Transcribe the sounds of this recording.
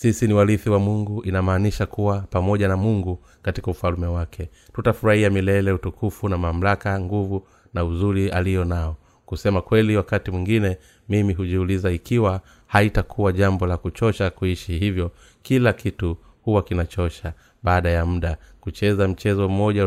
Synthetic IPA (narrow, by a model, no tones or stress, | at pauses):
sisiniwaliθiwamuŋɡuʔinamaːniʃakuwapamɔʄanamuŋɡu | katikaufalmɛwakʰɛ | tutafuɾahiamilɛlɛutukʰufunamam̩lakaŋɡuvu | nauzuɾialijɔnaɔ | kusɛmakwɛliwakatimwiŋɡinɛ | mimiɦuʄiulizaikiwa | haitakʰuwaʄambɔlakut͡ʃɔʃakuiʃihivjɔ | kilakitu | huwakinat͡ʃɔʃa | ɓaːɗajam̩ɗakut͡ʃɛzam̩t͡ʃɛzɔm̩mɔʄa